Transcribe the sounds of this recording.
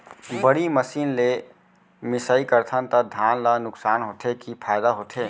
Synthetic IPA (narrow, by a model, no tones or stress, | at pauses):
bəɽiməsinle | misəikəɾt̪ʰənt̪əd̪ʱanlənʊksanɦot̪ʰekipʰajd̪aɦot̪ʰe